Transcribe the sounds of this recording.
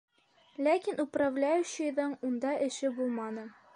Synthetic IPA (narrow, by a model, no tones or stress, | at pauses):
lækʲinupravlʲæjʉɕɘ̆jðɤɴund̪ɑʔɘ̆ʃɘbulˠmɑnɤ